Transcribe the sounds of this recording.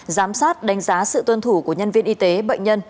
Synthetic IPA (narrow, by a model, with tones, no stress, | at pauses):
zaː˨˦msaː˦˥t̚ɗa˨˦jŋ̟zaː˨˦sɨ̰˧˨t̪wə˧nt̪ʰu˧˩ku˧˩əɲə˧nvi˧ənʔi˧t̪e˨˦ɓə̰˧˨jŋ̟ɲə˧n